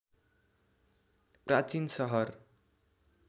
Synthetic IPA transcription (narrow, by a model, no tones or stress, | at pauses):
prat͡sinsʌɦʌr